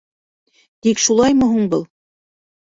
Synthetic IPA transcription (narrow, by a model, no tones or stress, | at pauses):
t̪ikʃulˠɑjmɵ̆ɦuɴbɤlˠ